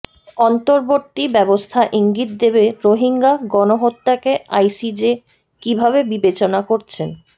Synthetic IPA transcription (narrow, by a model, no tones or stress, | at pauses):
ɔnt̪oɾboɾt̪ibɛbost̪ʰaʔiŋɡit̪̚d̪ebeɾoɦiŋɡaɡɔnoɦot̪ːakeajsid͡ʑe | kibʱabebibet͡ɕonakoɾt͡ɕʰen